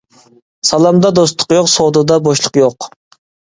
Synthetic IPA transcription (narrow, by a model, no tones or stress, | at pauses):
sɑlˠɑmd̪ɑd̪ost̪ʰʊ̥qjoqsod̪ɨd̪ɑboʃlˠəqjoq